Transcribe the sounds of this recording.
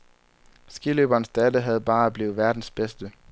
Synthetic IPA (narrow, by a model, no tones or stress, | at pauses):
sɡ̥iløb̥ɐːnsd̥ædəɦæð̞̩ˠb̥ɑ̈ːb̥li̝ːð̩ˠʋæɐd̥n̩sb̥esd̥ə